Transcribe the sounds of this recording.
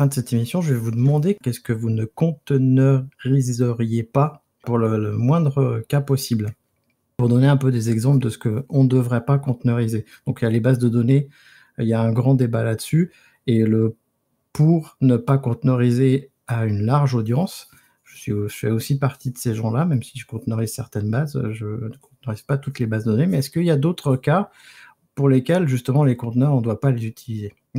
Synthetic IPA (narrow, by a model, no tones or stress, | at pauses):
fɛ̃d̪əsɛt̪emisjɔ̃ʒəvɛvud̪əmɑ̃d̪ekɛskəvunəkɔ̃t̪ənɔʁizəʁjepa | puʁlələmwɛ̃d̪ʁəkapɔsibl | puʁd̪ɔneɛ̃pød̪ezɛɡzɑ̃pld̪əsə̥kəɔ̃d̪əvʁɛpakɔ̃t̪nɔʁized̪̥ɔ̃kijalebazd̪əd̪ɔne | iljaɛ̃ɡʁɑ̃d̪ebalad̪əsy | elə | puʁnəpakɔ̃t̪nɔʁize | aynlaʁʒod̪jɑ̃s | ʒ̥əsɥiəfɛosipaʁt̪id̪əseʒɑ̃lamɛmsiʒəkɔ̃t̪nɔʁizsɛʁt̪ɛnbaz̰ʒənəkɔ̃t̪̚nɔʁiz̥pat̪ut̪lebazd̪əd̪ɔnemɛɛskəiljad̪ot̪χəka | puʁlekʲɛlʒyst̪əmɑ̃lekɔ̃t̪nœʁɑ̃d̪wapalezyt̪ʰilize